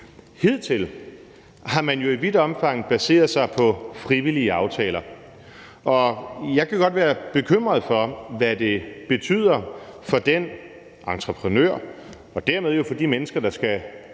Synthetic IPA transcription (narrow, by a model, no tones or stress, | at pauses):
he̝ð̞̰ˠt͡sʰe̝l | hɑ̈mænjo̝iʋid̥ɒ̽mfɑ̈ŋ̰ð̩b̥æse̝̰ːɐðˠsɑ̈ɪpʰɒ̽fʁiʋiliəɑ̈ʊt͡sʰɛːlɐ | ʔɒ̽jɑ̈ɪkʰæɡ̥ɒ̽d̥ʋæːɐb̥e̝kʰøm̰ʁɐðˠfɒ̽ʋæd̥e̝b̥e̝t͡sʰy̰ːð̰ˠɐfɒ̽d̥en | ʔɑ̈nt͡sʰʁəpʰʁənø̰ɐ̰ | ɒ̽d̥æɐmeð̞ˠjo̝fɒ̽d̥imenəsɡ̥ɐd̥ɑ̈sɡ̥æ